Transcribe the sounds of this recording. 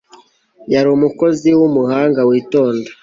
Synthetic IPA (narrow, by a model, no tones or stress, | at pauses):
jaɾumuko̞ziwumuhaːŋɡawiːto̞ːndḁ